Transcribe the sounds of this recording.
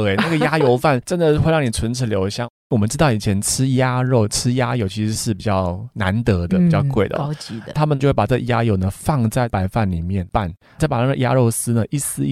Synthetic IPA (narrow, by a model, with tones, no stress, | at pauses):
e˧˨˩na˥˩ɡə˩ja˥jo˧˥ʊfa˥˩nʈ͡ʂə˥nd̪ə˨˥we˥˧ɻɑ˥˩ŋni˨˩t͡sʰə˧˥nʈ͡ʂʰɻ̩˨˩ljo˧˥ʊɕjɑ˥˦ŋ | wɔ˨˩mə˦nʈ͡ʂɻ̩˥t̪ɑ˥˩ʊi˨˩t͡ɕʰjɛ˧˦˥nʈ͡ʂʰɻ̩˥ja˥ɻo˥˩ʊʈ͡ʂʰɻ̩˥ja˥jo˧˥ʊt͡ɕʰi˧˥ʂɻ̩˧˥ʂɻ̩˥˩pi˨˩t͡ɕjɑ˥˩ʊna˧˦˥nt̪ɤ˧˥d̪ə˨pi˨˩t͡ɕjɑ˥˧ʊkwe˥˩ɪd̪ə̰˧t͡ɕi˧t̪ʰa˥mə˨njo˥˧we˥˩pʈ͡ʂɤ˥˩ɡə̰˩ja˥jo˧˥ʊnə˨fɑ˥˧ŋt͡sa˥˩ɪpa˧˥ɪfa˥˩nli˨˩mjɛ˥˩npa˥˩n | a˥˩pa˨˩na˥˩ɡə˩ja̰˥ɻo˥˩ʊsɹ̩˥nə˨ʔi˥˩sɹ̩˥˧i˥